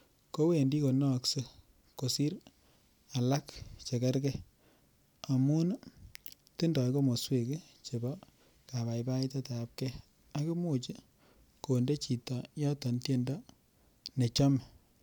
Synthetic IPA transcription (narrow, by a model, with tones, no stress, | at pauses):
ko˦we˨ndi˦ko˨nɔ˦kse˦ | ko˨si˦ɾ | a˨la˦kt͡ʃe˨kɛ˦ɾkɛ˦ | a˨mu˦n | tɪ˦ndɔ˨jko˦mo˨swe˦˨ke˦ | t͡ʃe˨bɔ˦ | ka˨βa˨jba˦i˦ta˦ta˨˦p̚kɛ˦ | a˦ku˦mo˨t͡ʃi˦ | ko˨nde˦t͡ʃi˨ta˨jɔ˦tɔ˨ntje˦nda˦ | ne˨t͡ʃɔ˦m˨